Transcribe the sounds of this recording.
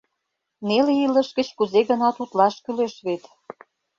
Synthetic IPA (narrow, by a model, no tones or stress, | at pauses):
neleilə̆ʃɡə̆t͡ɕkuzeɣə̆nɑt̪ut̪lɑʃkyleʃβet̪